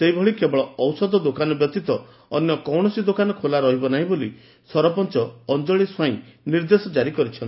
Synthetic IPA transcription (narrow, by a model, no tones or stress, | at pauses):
seibʱɔɭikebɔɭɔɔwsɔd̪ɔd̪okanɔbjɔt̪it̪ɔ | ɔ̰njɔkɔwɳ̃ɔsid̪okanɔkʰolaɾɔɦibɔnaɦĩboli | sɔɾɔpɔnt͡ʃɔːnd͡ʒɔɭiswaĩniɾd̪esɔd͡ʒaɾikɔɾit͡ʃʰɔni